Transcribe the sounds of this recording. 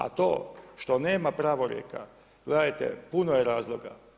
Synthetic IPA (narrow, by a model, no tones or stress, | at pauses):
a̰t̪o̞̰ːʃt̪o̞ne̞ːmapɾaːʋoɾjḛka̰ | ɡ̥led̪ajt̪ḛpunojeɾaːzlˠo̞ɡa̰